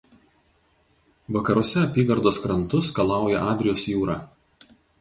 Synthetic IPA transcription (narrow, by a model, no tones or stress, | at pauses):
ʋɐkɐɾuɔsʲɛɐpʲiːɡɐɾd̪oːskɾɐnt̪ʊskɐlˠɑˑʊjɛʔɑːd̪ʲɾʲɪjoːsjuːɾɑː